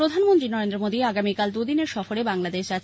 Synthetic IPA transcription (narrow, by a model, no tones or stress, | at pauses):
ɾod̪ʱanmont̪ɾinɔɾend̪ɾomod̪iaɡamikald̪ud̪ineɾʃɔfoɾebaŋlad̪eʃd͡ʑat̪